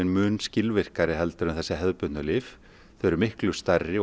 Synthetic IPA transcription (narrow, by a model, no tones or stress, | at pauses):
ɪnmʏːnscɪlvɪr̥kaɾɪɦɛlt̪aɾʏmθɛsːɪɦɛðpʏt̪nʏlɪf | θœɾʏmɪhklʏst̪arːɪ